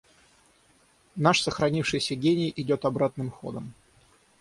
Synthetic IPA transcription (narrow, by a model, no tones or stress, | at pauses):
naʂsəxɾɐnʲifʂɨjsʲəɡʲenʲɪjʔɪdʲo̞t̪ɐbɾat̪nɨmxo̞̰d̪ə̰m